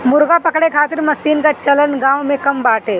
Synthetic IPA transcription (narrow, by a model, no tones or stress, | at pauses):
mʊɾɡapɐkɽekʰaːt̪ɪɾmɐsiːnkat͡ʃɐlənɡãːwmẽkɐmbaːʈʰeː